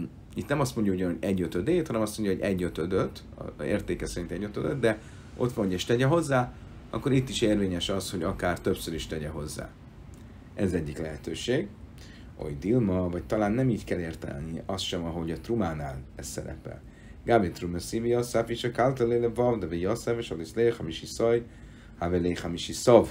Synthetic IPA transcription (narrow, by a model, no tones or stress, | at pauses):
it̪nɛmɒst̪mo̞ɲɟɒuɟɒnho̞ɟɛɟːøt̪ød̪eːt̪hɒnɛmɒst̪mo̞ɲɟɒoɟɛɟːøt̪ød̪øt̪ː | ḛːrt̪eːkɛsɛɾint̪ɛɟːøt̪ød̪øt̪d̪ɛ | o̞̰t̪ʋɒnɦoɟɛʃt̪lɛɟɛɦo̞zːaː | ɒ̰kːo̞ɾit̪ːiʃeːrveːɲɛʃɒshoɟɒkaːrt̪øpsøɾiʃlɛɟɛɦo̞zːa̰ː | ɛzzɛɟːiklɛɦɛt̪øːʃeːɡ | o̞̰jd̪ilmɒvɒct̪ɒlaːnːɛmiːckɛleːrt̪ɛ̰lniɒst̪ʃɛmɒɦo̞ɟɒt̪rumaːnaːlɛsːɛ̰ɾɛ̰pɛ̰l | ɡaːbet̪rumɛsiviɒsapiʃɛkalt̪ɛlelɛvɒvd̪ɛvɛjɒsaveʃɒd̪islexamiʃisɒj | havelejχamiʃisɒv